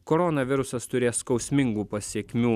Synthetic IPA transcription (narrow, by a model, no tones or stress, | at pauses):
kɔɾɔːnɐʋʲɪɾʊsɐst̪ʊɾʲeːskɐʊsʲmʲɪŋɡuːpɐsʲiɛkʲmʲuː